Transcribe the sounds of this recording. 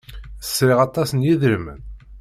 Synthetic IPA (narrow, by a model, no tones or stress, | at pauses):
θə̥sːɾɪʁɑt̪ˤːɑsənjiðɾmə̰n